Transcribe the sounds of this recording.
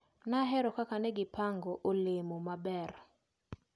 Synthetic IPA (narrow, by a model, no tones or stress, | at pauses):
naɦɛɾɔkakanɛɡɪpaŋɡɔʔolɪmomabɛr